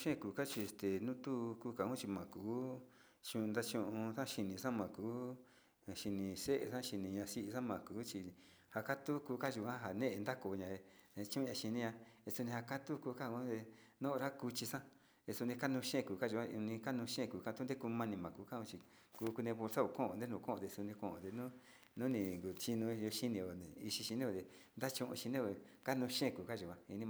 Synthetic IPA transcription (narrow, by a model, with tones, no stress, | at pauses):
ʃẽ˦˨kuː˨ka˦t͡ʃi˧st̪e˨nũ˦t̪u˦˧kuː˧˦ka˧˨ũ˦t͡ʃi˧mã˨kuː˨˦ | t͡ʃũ˧nd̪a˦t͡ʃũ˧ʔũ˧sã˦ʃi˧nĩ˧sã˦mã˨kuː˨˦˨ | ʃi˧nĩ˧se˦ʔḛ˧˨sã˦ʃi˧nĩ˧ɲã˧si˧˦ʔi˧sã˦mã˨kuː˨˦t͡ʃi˧ | ha˧ka˦t̪u˦kuː˧˦ka˦ʒu˨˧kã˦ɦa˨nẽ˦ʔe˧nd̪a˦ko˧ɲã˨˧ | e˧t͡ʃũ˦ũ˧ã˧ʃi˧nĩ˦ɲã˧e˧su˧nĩ˧ha˧ka˦t̪u˦ku˧ka˦ũ˦d̪e˧nõ˦˧ɾa˦ku˧t͡ʃi˧sã˦ | e˧su˧nĩ˧ka˦nũ˧ʃẽ˦˨ku˨ka˦ʒu˧ã˦˧nĩ˧ka˦nũ˧ʃẽ˦˨kuː˨ka˧u˦d̪e˦ku˧mã˧nĩ˧mã˨kuː˧˦ka˦ũ˦t͡ʃi˧ | kuː˧˦ku˧nẽ˧βo˧lsa˦o˧˨kõ˦˨õ˧nd̪e˦nũ˧˨˧kõ˦˨˧d̪e˧su˧nĩ˧kõ˧˨õ̰˧˨d̪e˧nũ˦ | nũ˦nĩ˧ŋɡu˨t͡ʃi˧nũ˧jo˧ʃi˦nĩ˧õ˨i˧ʃi˧ʃi˧nẽ˦o˧t̪e˧ | nd̪a˦t͡ʃũ˧ʔṵ̃˧ʃi˧nẽ˦˧o˧˨ka˦nũ˧ʃẽ˦˨kuː˨ka˦ʒu˨kʷã˧i˧nĩ˧m˧